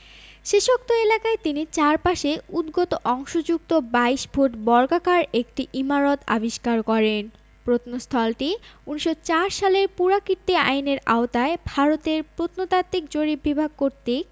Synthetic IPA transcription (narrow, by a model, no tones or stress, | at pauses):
ʃeʃok̚t̪oelakaet̪init͡ɕaɾpaʃeud̪ɡot̪oʔɔŋʃod͡ʑuk̚t̪obaiʃbʱuʈbɔɾɡakaɾek̚ʈiʔimaɾot̪a̰biʃkaɾkɔɾen | pɾot̪nost̪ʰɔlʈiuniʃot͡ɕaɾʃaleɾpuɾakiɾt̪ia̰jneɾa̰ot̪aebʱaɾot̪eɾpɾot̪not̪at̪ːik̚d͡ʑoɾibibʱaɡ̚koɾt̪i